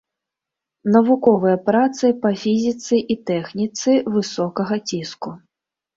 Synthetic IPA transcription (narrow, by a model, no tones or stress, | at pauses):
nɐvukɔvɨjɐpɾat̪sɨpɐfʲizʲit̪sɨʔit̪ɛxnʲit̪sɨvɨsɔkɐɣɐt͡sʲisku